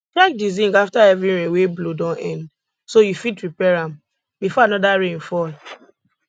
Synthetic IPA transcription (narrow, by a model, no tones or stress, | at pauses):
tɹak̚dizĩŋɡaftaɛvɹiɹẽnweblodɔ̃ʔɛ̃nd | sojufit̚pɹipɛɹãm | bifɔanɔdaɹẽnfɔl